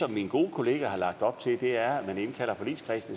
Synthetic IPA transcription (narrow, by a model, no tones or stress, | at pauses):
ɒ̽mːinɡ̥o̝ːəkʰo̝le̝ːɡ̥æhɑ̈lɑ̈ɡ̥̚d̥ɒ̽b̥̚t͡sʰe̝ld̥e̝æɐæmæne̝nkʰæl̰ɐfɒ̽lḭːskʰʁɛsd̥